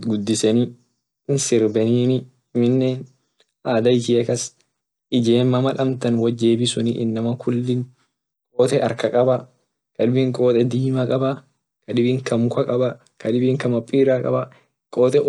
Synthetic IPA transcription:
ɡʊd̪ːɪsɛnɪ | nsɪɾbɛniːnɪ | mɪnːen | ʔaːd̪ɐɪt͡ʃiːɐkɐs | ʔɪd͡ʒeːmːɐmɐlɐmt̪ɐnwɐd͡ʒeːbɪsʊniʔɪ̰nːɐmɐkʊlːɪŋ | kʼoːt̪ɛʔɐɾkɐkʼɐbɐ | kɐᶑɪbɪŋkʼo̞ːt̪ʼɛd̪iːmɐkʼɐbɐ | kɐᶑɪbiŋkɐmʊkɐkʼɐbɐ | kʰɐᶑɪbiŋkɐmɐpʼːiːɾaːkʼɐ̰bɐ | kʼoːt̪ʼɛ

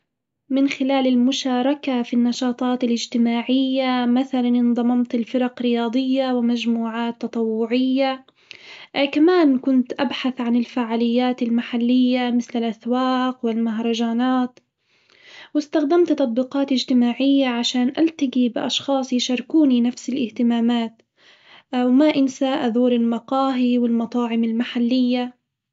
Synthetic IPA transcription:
mɪnxɪlaːlɪlmʊʃaːɾˤɑkafinːɑʃɑːt̪ˤɑːt̪alɪd͡ʒt̪ɪmaːʕɪjːamaθalanʔɪnðˤɑmɑmt̪ɪlfɪɾɑqɾɪjɑːd̪ˤɪjːawɪmad͡ʒmuːʕaːt̪ːɑt̪ˤɑwːʊʕɪjːa | kamaːnkʊnt̪ʔabħaθʕanɪlfaːʕaːlɪjːaːt̪almaħalːɪjːamɪθlɪlʔaθwaːqwɪlmaɦɾˤɑd͡ʒaːnaːt̪ | wɪst̪axd̪amt̪t̪ɑt̪̚ˤbiːqɑːt̪ɪd͡ʒt̪ɪmaːʕɪjːaʕaʃaːnʔalt̪aɡibɪʔɑʃxɑːsˤjʃɑɾˤkuːninafsɪlʔɪht̪ɪmaːmaːt̪ | wmaʔɪnsaːʔaðuːɾɪlmɑqɑːɦiwɪlmɑt̪ˤɑːʕɪmɪlmaħalːɪjːa

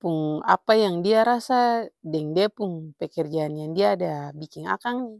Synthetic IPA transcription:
puŋa̰pajaŋdiaɾasadɛŋdɛapuŋpɛkɛrd͡ʒaːnjaŋdiaːdabikiŋa̰kaŋni

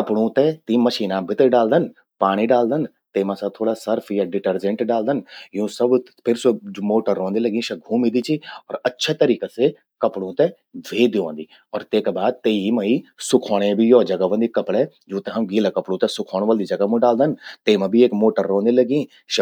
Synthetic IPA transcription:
kɐpɽ̃ũt̪ɛt̪ĩmɐʃiːnabʱɪt̪ɖaːld̪ən | paːɽ̃iɖaːld̪ən | t̪eːmãsɐt̪ʰoːɽasɐɾfʰjaɖɪʈəɾd͡ʒə̃ɳʈɖaːld̪ənjũːsɐb | pʰɪɾsomoːʈəɾːõːnd̪elɐɡĩʃɐɡʱũːmid̪it͡ʃʰiɔːɾɐtːʃʰat̪ɐɾiːkase | kɐpɽ̃ũt̪ɛ | d̪ʱʋeːd̪iʋõːnd̪iː | ɔːɾt̪eːkbaːd̪̚t̪eimɐisʊkʰoːɽ̃ẽbʱijɔːd͡ʒɐɡəʋə̃nd̪ikɐpɽed͡ʒõːt̪eɦɐmɡiːlakɐpɽũt̪ɛsʊkʰoːɽ̃ʋɐld̪id͡ʒɐɡəmũɖaːld̪ənt̪eːmãbʱieːkmoːʈəɾːõːnd̪elɐɡĩː | ʃ

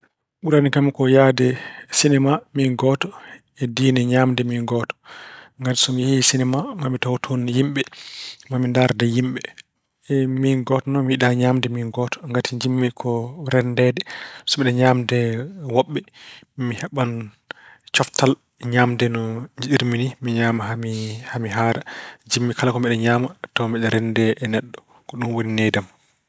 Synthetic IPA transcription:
ɓuɾanikamikɔjadɛsinɛmaminɡɔtɔ | ɛdiːnɛɲamdɛminɡɔtɔ̥ŋɡati̥sɔmihiisinɛmamamitawtʰonjimɓɛmamindaɾdɛjimɓɛ | minɡɔtɔnɔmiiɗaɲamdɛminɡɔtɔ̥ŋɡatʰiɲd͡ʒimːikʰɔɾɛndɛdɛsɔmiɗɛɲamdɛwɔɓːɛ | mihɛɓan | t͡ʃɔftʰal | ɲaːmdɛnɔɲd͡ʒiɗiɾminimiɲaːmaɦamihamiɦaːɾad͡ʒimːikalakɔmɛɗɛɲaːmatawmiɗɛɾɛndɛʔɛnɛɗːɔ | kɔɗunwoninedam

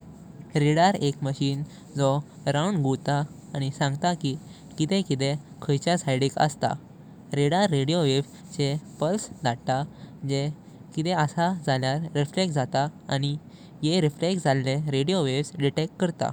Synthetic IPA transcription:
ɾiɽaɾekməɕiːn | d͡zɔ | ɾawɳɡʱut̪aː | ñisãŋɡt̪aki | kit̪ɛ̃kit̪ẽ | kʰəjt͡ɕjasajɽikə̰st̪a̰ | ɾiɽaɾːeɽijoʋeʋ | t͡ɕepəlsd̪ʱaɽt̪ad͡ʑe | kit̪ɛəsad͡zʱaljaɾːiflekd͡zat̪aañi | jeɾifleksd͡zʱalːeɾeɽijoʋeʋsɖiʈekkəɾt̪a̰

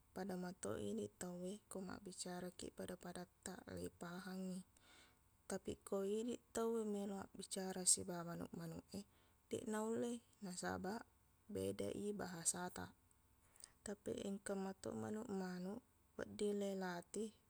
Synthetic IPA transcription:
padamat̪o̰ʔidit̪awekoma̰ʔbit͡ʃaɾakḭpadapadat̪ːa̰ʔlḛipaɦaŋi | t̪apḭkoidit̪awemeloa̰ʔbit͡ʃaɾasibamanṵʔmanṵʔe | d̥ɛ̰ʔnaulːe | nasa̰baʔ | beda̰ʔibaɦasat̪a̰ | t̪apḭʔiŋkamat̪o̰ma̰nuʔmanuʔ | wa̰ʔdilelat̪i

